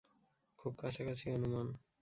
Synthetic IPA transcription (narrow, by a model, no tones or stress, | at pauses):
kʰub̚kaʃʰakat͡ɕʰionuman